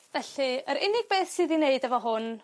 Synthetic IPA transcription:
vɛɬiəɾɪnɪɡ̚beːθsiːðineɨdɛvɔɦʊn

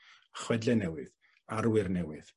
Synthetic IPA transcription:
əχwɛdlɛnɛwɨð | aɾwɪrnɛwɨð

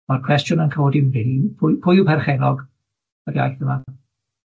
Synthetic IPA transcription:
markʰw̥ɛstjʊnənkʰəɔdimɪlpʰʊjpʰʊjupʰɛrχɛlɔɡ | ərja̰jθəmada

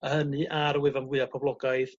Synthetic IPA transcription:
əhənɨʔaɾwɪvanwɨapʰɔblˠɔɡajð

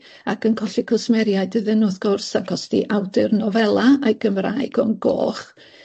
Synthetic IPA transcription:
akənkʰɔɬikʰəsmɛɾjaɨdɨðɨnʊðɡ̥ɔrsaɡɔsd̥ḭʔawdɪrnɔvɛlˠaajɡ̥əmra̰ːjɡ̥ɔnɡo̰ːχ

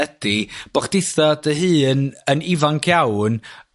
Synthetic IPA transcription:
əd̥ib̥ɔχd̥ɪθɔdəɦɨːnənivaŋkʰjawn

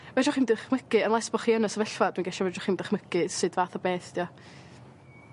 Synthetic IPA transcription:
vɛd͡ʒɔχimdɪχməkɨənlˠɛsbɔχiɛnɛsəvɛɬvadwinɡɛʃɔvɛd͡ʒɔχimdɪχməkɨsɨdvaːθɔbeːθd̥jɔ

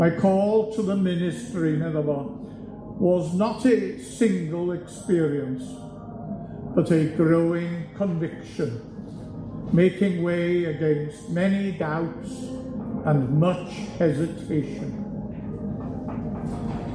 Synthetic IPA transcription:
maɪkʰɔlˠtʰəðəmɪ̃nɨstɹinɛðəbən | wʌznəɾɨsɪ̃ŋɡəlˠɪkspɪəɹiə̃ns | b̥ʌɾɨɡɹoʊɪ̃ŋkʰə̃ɱvɪkʃə̃n | meɪkɪ̃ŋweɪɨɡɛ̃nst̚mɛnidaʊtsə̃nmʌt͡ʃhɛzɪtʰeɪʃə̃n

